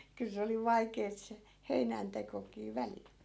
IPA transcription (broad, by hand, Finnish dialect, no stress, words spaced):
kyl se oli ʋɑikeːt se heinæntekokiː ʋælil